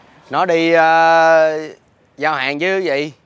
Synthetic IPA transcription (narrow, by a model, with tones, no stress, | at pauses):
nɔ˨˦ɗi˧əː˨˧ | zaː˧wha̰ː˨ŋt͡ɕɨ˨˦˨və̰˧˨j